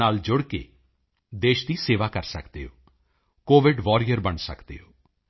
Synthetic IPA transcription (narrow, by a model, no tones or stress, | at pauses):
aːld͡ʒʊɽkḛː | d̪eːʃd̪iːseːʋaːkəɾsə̰kd̪ḛːɦoː | koːʋɪɖʋɔːɾɪjəɾbəɳsə̰kd̪ḛːɦoː